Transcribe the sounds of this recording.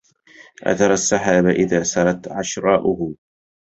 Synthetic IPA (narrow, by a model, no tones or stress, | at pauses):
ʔa̰θɑɾˤasːaħaːbaʔɪðaːsɑɾˤɑt̪ʕaʃɾˤɑːʔʊhʊ